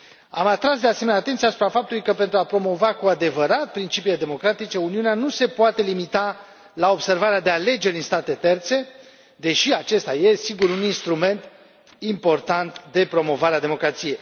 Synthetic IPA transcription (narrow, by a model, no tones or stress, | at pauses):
a̰mat̪ɾasd̪easeme̞neat̪et̪siasu̥pɾafap̚t̪ulujkəpe̞nt̪ɾuapɾo̞mo̞vakuad̪e̞vəɾat̪̚pɾint͡ʃipiːled̪e̞mo̞kɾat̪it͡ʃe̞uniuneanuse̞poat̪e̞limit̪a | lao̞bse̞rvaɾead̪e̞ale̞d͡ʒe̞ɾʲinst̪at̪e̞t̪e̞rt̪se̞ | d̪e̞ʃiat͡ʃe̞st̪aje̞siɡuɾuninst̪ɾume̞nt̪ | impo̞rt̪ant̪d̪e̞pɾo̞mo̞vaɾead̪emo̞kɾat̪sijej